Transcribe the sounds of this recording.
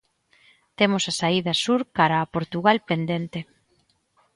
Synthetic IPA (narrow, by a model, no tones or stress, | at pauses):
t̪emosasaiðɐsuɾkaɾaːpoɾt̪uɣalpend̪ent̪e